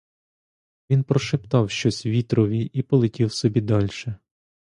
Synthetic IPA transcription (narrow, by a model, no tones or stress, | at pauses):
ʋʲinpɾɔʃɪpt̪ɑwʃt͡ʃɔsʲʋʲit̪ɾɔʋʲiʔipɔlˠetʲiwsɔbʲid̪ɑlʲʃɛ